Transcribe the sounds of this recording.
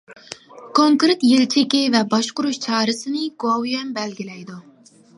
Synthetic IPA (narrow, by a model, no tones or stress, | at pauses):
kʰoŋkɾɪt̪jelt͡ʃʰɪkʲɪvɛbɑʃqʊɾuʃt͡ʃʰɑːɾɨsɨnɪɡowjɛmbɛlɡʲilɛjd̪u